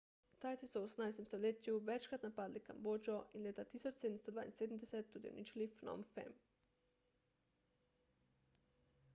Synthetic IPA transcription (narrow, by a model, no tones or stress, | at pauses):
t̪ajt̪isuosnajst̪emst̪olet̪ʲjuʋet͡ʃkɾat̪napaːd̪lika̰mbod͡ʒoʔinlet̪at̪isot͡ʃsed̪mst̪od̪va̰ːjnsed̪m̩d̪eset̪ːud̪jḛo̰nit͡ʃilifno̰mfɛ̰m